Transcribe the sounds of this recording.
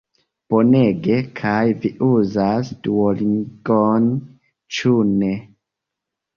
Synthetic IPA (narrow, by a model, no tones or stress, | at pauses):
b̥o̞ne̞ɡe̞kʰajviʔuzasduoliŋɡon | t͡ʃune